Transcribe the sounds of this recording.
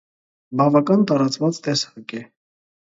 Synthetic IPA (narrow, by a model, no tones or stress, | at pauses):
bɑvɑkɑnt̪ɑɾɑt͡svɑt͡st̪ɛsɑkɛ